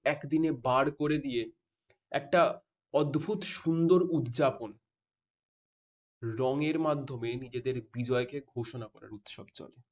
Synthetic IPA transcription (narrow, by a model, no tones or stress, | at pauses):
ɛkd̪inebaɽkoɾed̪ije | ɛ̰k̚ʈa | ɔd̪bʱut̪ʃund̪oɾud̪d͡ʑapon | ɾɔŋeɾmad̪ʱːomenid͡ʑed̪eɾbid͡ʑɔekeɡʱoʃonakɔɾa̰ɾut̪ʃɔb̚t͡ɕɔ̰le